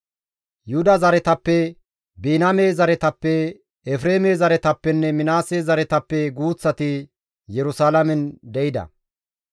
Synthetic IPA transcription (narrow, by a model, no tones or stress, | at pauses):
jʊhʊd̪ɐzɐɾɛt̪ɐpːɛ | biːnɐmezɐɾɛt̪ɐpːɛ | ɛfɾeːmeːzɐɾɛt̪ɐpːɛnːɛmɪnaːsezɐɾɛt̪ɐpːɛɡuːt͡sːɐt̪ɪ | jɛɾʊsaːlɐmɛnd̪ɛɪd̪ɐ̰